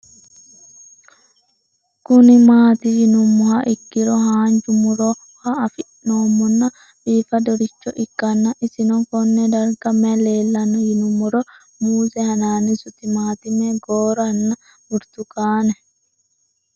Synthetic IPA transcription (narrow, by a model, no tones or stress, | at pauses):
kʊnɪmaːt̪ihɪnʊmːɔhɐʔɪkːɪɾɔɦaːnd͡ʒʊmʊɾɔ | hɐːfɪʔnoːmɔnːɐ | biːfɐd̪ɔɾɪt͡ʃːɔʔɪkːɐnːɐʔɪsɪnɔkɔnːɛd̪ɐɾɡɐmɛleːlːɐnɔjɪnʊmɔɾɔ | muːsɛhɐnaːnisʊt̪ɪmaːt̪ɪmɛɡoːɾɐnːɐ | ʊɾt̪ʊkaːnɛ